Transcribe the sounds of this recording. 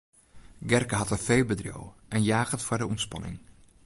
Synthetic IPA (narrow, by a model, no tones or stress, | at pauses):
ɡɛrkəɦɑtənfeːlˠbədrjo̰wʔɛnjaːɣəntfʊdəumspɑ̰nɪ̰ŋ